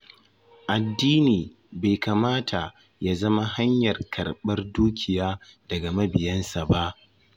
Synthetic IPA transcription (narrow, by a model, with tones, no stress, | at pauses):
ʔa˨dːiː˦niː˨ | ba˨jkaː˨maː˦tʰa˨ | ja˦zɐ˦ma˦ha˦ɲjɐ˨rkʰɐ˨rɓɐ˦rduː˦kʲɪ˨jaː˦d̥ɐ˨ɡa˨mɐ˦bɪ˨jɐ˦nsa˨ba˦ʔ